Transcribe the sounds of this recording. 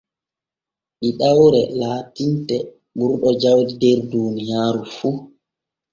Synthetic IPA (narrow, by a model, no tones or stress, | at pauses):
ɗiɗawɾɛlaːtintɛ | ɓuɾɗɔd͡ʒawdidɛɾdunijaːɾufu